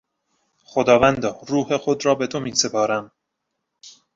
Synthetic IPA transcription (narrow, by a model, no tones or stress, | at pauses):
xod̪ɒːvænd̪ɒːɾuːhexo̞d̪ɾɒːbe̞t̪ʰomiːse̞pʰɒːɾæm